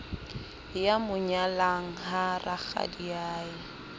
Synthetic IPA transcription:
jamʊɲalaŋ̩ɦarʔak͡xa̰diaːjɪ

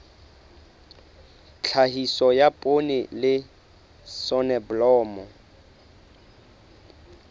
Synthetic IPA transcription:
t͡ɬʰaɦisɔjapʼonɪlɪ | sɔnɛblɔːmɔ

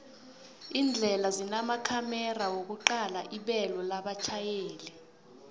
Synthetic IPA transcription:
ind͡ɮʱɛlazinamakʰamɛrawok̬uǃalaʔiɓɛlɔlaɓat͡ʃʰajeːlɛ

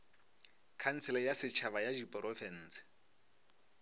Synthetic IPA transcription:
kʰan̩t͡sʰɛlɛjasɪt͡ʃʰaβajad͡ʒipʼrɔfɛn̩ːsɪ̥

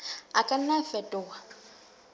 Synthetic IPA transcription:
akʼan̩nafɛtʼʊwa

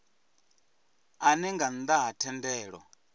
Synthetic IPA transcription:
anɛŋɡan̩d̪aɦatʰɛndɛːɺwɔ̰

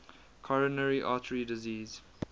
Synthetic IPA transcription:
kʰɔɹənəɹiʔɑːtʰəɹidɪziːz̥

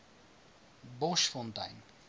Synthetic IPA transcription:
bɔʃfɔntɐ̰jn

